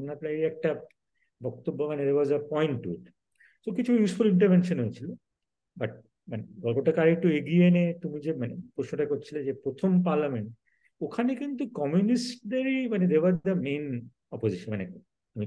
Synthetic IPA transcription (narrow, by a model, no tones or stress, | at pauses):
naplaiɛk̚ʈa | bɔk̚t̪obːomaned̪eɾwɔzɐpɔjɳʈːṵʈ | sokit͡ɕʰujusfuliɳʈɐɾvenʃonɦojet͡ɕʰilo | baʈ̚ | maneɡɔlpoʈakaɾik̚ʈoeɡienet̪umid͡ʑemanepɾoʃnoʈakoɾt͡ɕʰiled͡ʑepɾot̪ʰompaɾlameɳʈ̚ | okʰanekint̪ukɔmjunisʈd̪eɾimaned̪eɾbazd̪ɐmẽjn | ɔpoziʃonmane | t̪umi